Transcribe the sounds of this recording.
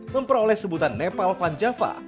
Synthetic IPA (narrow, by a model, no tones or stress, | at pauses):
məmpəɾolɛhsəbut̪anːepalfaɲd͡ʒafa̰